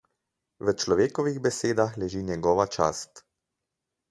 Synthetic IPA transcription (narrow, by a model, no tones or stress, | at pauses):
ʋət͡ʃlɔʋeːkɔʋiɣbɛseːd̪axlɛʒiːnjɛɡɔːʋat͡ʃa̰ːst̪